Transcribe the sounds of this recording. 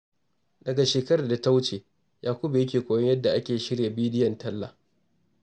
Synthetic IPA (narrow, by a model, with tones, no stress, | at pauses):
dɐ˨ɡa˨ʃeː˨kɐ˦ɾaː˨da˨ta˦wt͡ʃeː˨ | jaː˨kʷʊ˦bu˨jɐ˦kʲeː˨kʷoː˨jɐ˦jɐ˦dːa˨ʔa˦kʲeː˨ʃɪ˦ɽja˨biː˦dɪ˦jɐ˨ntɐ˦lːa̰ː˨